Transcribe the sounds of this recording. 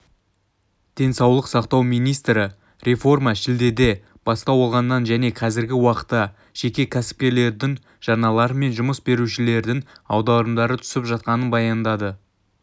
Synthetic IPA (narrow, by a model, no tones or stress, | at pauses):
d̪̥e̞nsɑwlˠəqsɑqt̪ɑwmijnijst̪ɾɪ | ɾʲʔe̞fo̞rmɑʃɪld̪e̞d̪e̞ | b̥ɑst̪ɑwolˠʁɑnːɑnʒæne̞qʰɑzɪɾɡʲɪwɑqə̥t̪ːɑ | ʒ̥e̞kʲe̞kʲʰæsɪ̥p̚kʲe̞ɾle̞ɾd̪ɪŋ | ʒ̥ɑnɑlˠɑɾəme̞nʒʊməsbe̞ɾuʃɪle̞ɾd̪ɪŋɑwd̪ɑɾəmd̪ɑɾət̪ʰʏ̥sɪpʒɑt̪̚qɑnənbɑjɑnd̪ɑd̪ə